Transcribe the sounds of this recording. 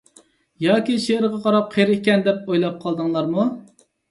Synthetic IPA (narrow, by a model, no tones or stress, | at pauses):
jɑːkʲiʃeɪɾʁɑqʰɑɾɑp̚qʰeɾɪkʲɛnd̪ɛp̚ojlˠɑp̚qʰɑlˠd̪ɨŋlˠɑɾmu